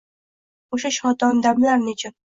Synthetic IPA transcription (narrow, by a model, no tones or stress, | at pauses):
oʃaʃɒt̪ɒnd̪ablaɾnʊt͡ʃʰɪn